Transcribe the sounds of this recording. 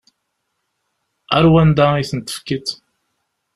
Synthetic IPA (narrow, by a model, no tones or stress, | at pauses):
æ̰ɾwænd̪aiθənt̪ːə̥fkit̪